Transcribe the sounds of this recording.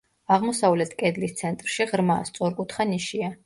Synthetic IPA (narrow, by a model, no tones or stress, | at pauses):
aʁmɔsavlɛt̪ʰkʼɛd̪list̪sʰɛnt̪ʼɾʃiʁɾmast̪sʼɔɾkʼut̪ʰχaniʃia